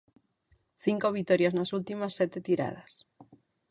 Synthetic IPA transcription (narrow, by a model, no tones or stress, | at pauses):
θiŋkoβit̪oɾjaznasult̪imasːet̪et̪iɾa̰ð̞as